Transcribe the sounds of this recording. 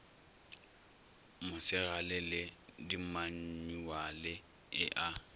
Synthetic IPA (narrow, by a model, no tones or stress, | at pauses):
mʊsɪɣalɪlɪdimaɲ̩ɲuwalɪ | ɪʔa